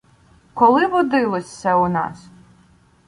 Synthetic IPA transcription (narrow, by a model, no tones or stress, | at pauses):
kɔlˠɪʋɔd̪ɪlˠɔsʲɐʊnɑ̰s